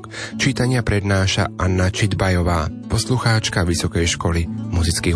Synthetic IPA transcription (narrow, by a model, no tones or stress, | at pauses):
t͡ʃiːt̪aɲɪapɾɛd̪naːʃa̰ʔanːat͡ʃid̪bajɔʋaːpɔsluxaːt͡ʃkaʋisɔkɛjʃkɔlimuzit͡skiː